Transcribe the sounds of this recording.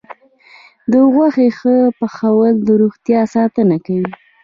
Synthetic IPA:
d̪əɣwaxexəpəxawəld̪əɾuɣt̪jɑsɑt̪ənakawi

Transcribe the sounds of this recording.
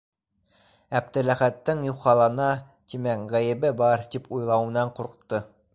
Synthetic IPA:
æb̚t̪ɘ̆læχæt̪ːɘŋjuwχɑlˠɑnɑ | t̪imækʁæjɘ̆bɘbɑɾt̪ipʰujlˠɑwɤ̆nɑɴquɾqt̪ːɤ

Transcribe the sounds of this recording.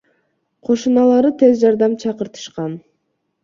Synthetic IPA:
qʰo̞ʃunɑlˠɑɾɯt̪ʰe̞zd͡ʒɑɾd̪ɑmt͡ʃʰɑqɯɾt̪ɯ̥ʃqɑn

